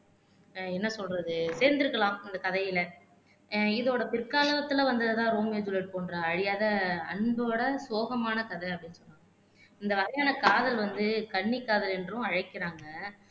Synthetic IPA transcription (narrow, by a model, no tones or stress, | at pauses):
ɛnːɐsɔlɾɐðɯseːɾnd̪ɪɾɯkːɐlãːmɪnd̪ɐkɐðɐjɪlɐ | ɪðoːɽɐpɪɾkaːlɐʋɐt̪ːɯlɐʋɐnd̪ɐðɯt̪ãːɾoːmeːd͡ʒ̪ʊleːʈ̚poːndɾɐːɻɪjaːðɐɐ̰ɳboɽɐsoːɣɐmaːnɐkɐðɐɪɐpːɐɽɪnːɯsɔnːaːŋɡɐ | ɪnd̪ɐʋɐɾɐjaːnɐkaːðɐlʋɐnd̪ɯkɐɳːikːaːðɐlɛndrʊ̃ɐɻɐɪkːɪɾaːŋɡɐ